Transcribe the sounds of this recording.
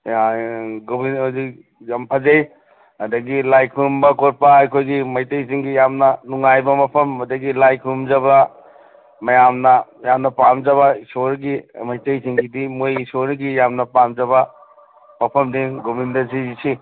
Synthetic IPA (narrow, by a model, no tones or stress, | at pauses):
aɡominozi | jampʰɐzej | hɐdɐɡilajkʰumbɐkot̚pɐajkʰojɡimɐjtejziŋɡijamnɐnuŋajbɐmɐpʰɐmːɐdɐɡilajkʰumd͡ʒɐbɐ | mɐjamnɐjamnɐpamd͡ʒɐβɐisoɾɡimɐjtejziŋɡidimojisoɾɡijamnɐpamd͡ʒɐbɐ | mɐpʰɐmdiŋɡomindɐzizisi